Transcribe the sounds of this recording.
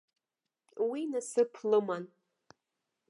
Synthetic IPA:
winasɨpʰlɨman

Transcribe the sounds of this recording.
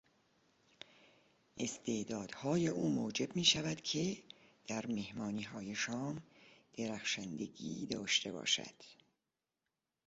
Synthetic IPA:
ʔe̞st̪ʰeʔd̪ɒːd̪̥hɒːje̞ʔuːmoːd͡ʒe̞bmiːʃævæd̪̥cʰe̞d̪̥æɾme̞hmɒːniːɦɒːje̞ʃɒːmd̪̥e̞ɾæxʃænd̪e̞ɡḭːd̪ɒːʃt̪ʰe̞bɒ̰ːʃæ̰d̪̥

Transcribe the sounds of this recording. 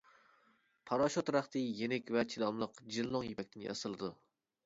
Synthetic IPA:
pʰɑɾɑʃot̪ɾæχt̪ɨjenɪkʲvɛt͡ʃʰilˠɑmlˠəqd͡ʒilˠːoŋjepʰɛkʲt̪ʰɪnjɑ̰sɨlˠɨd̪u

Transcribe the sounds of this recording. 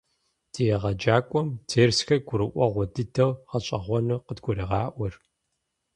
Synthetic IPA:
d̥ijɛʁɐd͡ʒaːkʷʼɔmtʰeːrsxɐɡʷʊɾɨʔʷɔʁʷɔdɨdʰɐwʁɐt͡ʃʼɐ̰ʁʷɔnɨqədɡʷʊɾiʁɑːʔʷɔr

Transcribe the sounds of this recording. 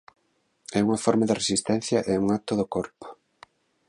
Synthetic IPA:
ɛuŋɐfɔɾmaðɪresist̪ɛn̟θjɐʔeuŋak̚t̪oðokoɾpo̥

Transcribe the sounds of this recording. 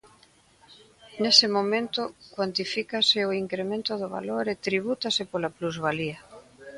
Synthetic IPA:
nesɪmomẽnt̪ʊkwant̪ifikasɪoiŋkɾemẽnt̪ʊðʊβa̰loɾet̪ɾiβ̞ut̪asɪpolapluzβaliɐ

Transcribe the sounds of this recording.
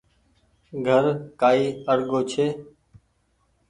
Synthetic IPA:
ɡʱəɾkaːiːəɾɠoːt͡ʃʰeː

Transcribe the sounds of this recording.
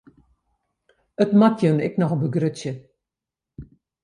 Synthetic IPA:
ətmatjənɪ̰knɔxɔbəɡrøtjə

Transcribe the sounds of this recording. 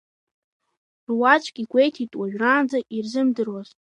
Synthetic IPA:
rwat͡ʃʷʰʼkʲʼiɡʷejtʰitʼwaʒᶣraːnd͡zaʔirzɨmdɨrwazʼ

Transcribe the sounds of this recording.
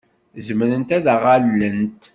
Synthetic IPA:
zəmɾənt̪æðæʁalːənt̪

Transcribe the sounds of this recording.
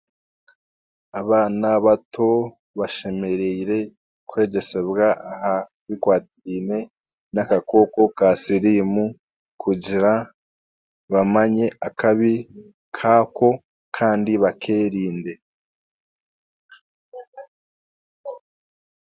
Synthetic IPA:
aβaːnaβatʰo̞ | βaʃe̞me̞ɾeiɾe̞ | kwe̞ːɟe̞se̞βɡaaha | βikwaːtiiːne̞ | nakako̞ko̞kasiɾimu | kʰuɟiɾa | βamaɲe̞ʔakaβi | kʰaːko̞ | kʰaːndiβakʰeːɾiːnde̞

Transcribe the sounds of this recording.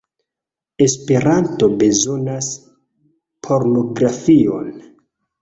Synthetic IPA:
e̞spe̞ɾanto̞be̞zo̞nas | pʰo̞ɾno̞ɡɾafio̞̰n

